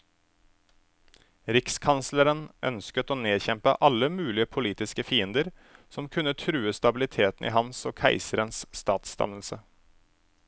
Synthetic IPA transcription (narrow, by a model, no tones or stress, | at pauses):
ɾɪkskʰɑnsləɾənʔœ̰nskət̪oːneːçɛmpə̰ʔɑlːəmʉːlɪəpʰʊliːt̪ɪskəfiːənd̪əɾ | sɔmkʰʉnət̪ʰɾʉːəst̪ɑbɪlɪt̪ʰeːt̪n̩ḭːɦɑnsoːkʰæɪsəɾənsst̪ɑːt̪st̪ɑ̰nəlsə